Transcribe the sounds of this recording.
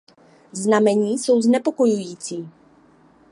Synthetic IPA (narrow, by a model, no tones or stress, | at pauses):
znamɛɲiːso̞wznɛpo̞ko̞jujiːt͡siː